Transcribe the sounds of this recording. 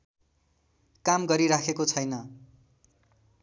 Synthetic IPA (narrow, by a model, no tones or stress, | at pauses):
kamɡʌɾiɾakʰekot͡sʰʌjnʌ